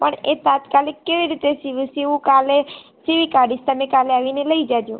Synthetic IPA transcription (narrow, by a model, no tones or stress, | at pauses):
pəɳet̪at̪kalɪkːeʋiɾit̪esiʋisiʋũkale | siʋikaɖist̪əmẽkaleaːʋineləid͡ʒad̪jũ